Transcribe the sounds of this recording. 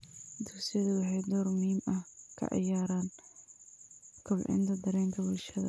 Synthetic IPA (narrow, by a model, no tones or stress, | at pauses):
d̪ʊksɪjɐðʊwɑħɑjd̪ɔːrmʊhiːmɐhkʰɐ̰ʕɑ̰jaːɾaːn | kʰʊlʕɪ̰nt̪ʰɐd̪ɐɾɛːŋk̪ʰɐwɪʃɐðɐ̰